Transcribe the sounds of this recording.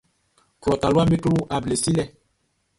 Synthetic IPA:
tlɔ˨ta˨lu˦a˦me˦tu˦ʔa˨ble˨si˦lɛ˦˨

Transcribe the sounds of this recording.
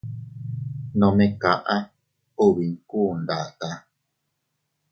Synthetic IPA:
nɔ̃˨mẽ˦ka̰˨ʔã˦ | o˦˨βi˨ŋ̩˦ku˦˨nda̰˨ka˦

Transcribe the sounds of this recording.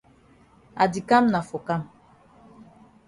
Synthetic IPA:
a̰˨di˨ka˦mna˨fɔ˨ka˦m

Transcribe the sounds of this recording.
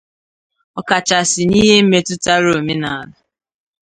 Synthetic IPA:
ɔ˦ka˨t͡ʃa˨sɪ˨ni˦ɦe˦m̩˦me˨tʊ˦ta˦ɾo˨me˦na˨a˨la˨

